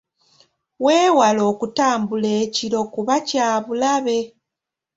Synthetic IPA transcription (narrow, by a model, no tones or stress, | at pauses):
we̞ːwalo̞ːkutaːmbuleːciɾo̞kuβacaːβulaβe̞